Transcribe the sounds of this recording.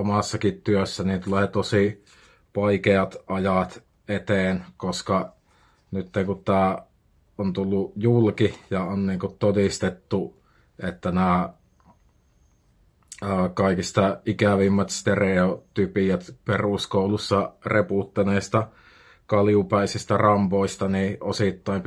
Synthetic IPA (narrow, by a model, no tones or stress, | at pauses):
omɑsːɑkit̪t̪yøsːænint̪uleːt̪osi | ʋɑikeɑt̪ʔɑjɑt̪ | et̪eːnkoskɑ | nyt̪ːekutt̪æː | ont̪ulːujulkijɑonniːŋkut̪t̪odist̪et̪ːu | ʔet̪ːænæː | əːkɑˑikist̪ɑʔikæʋimːæt̪st̪ereot̪ypijæt̪peruskoulusːɑreput̪ːɑneːst̪ɑ | kɑljupæˑisist̪ærɑmpoˑist̪ɑniːʔosit̪ːɑˑimp